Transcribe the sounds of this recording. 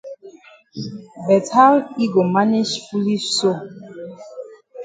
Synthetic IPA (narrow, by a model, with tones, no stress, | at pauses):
bɛ˨tʰa˦li˦ɡo˨ma˦ni˦ʃfu˦li˦ʃso˦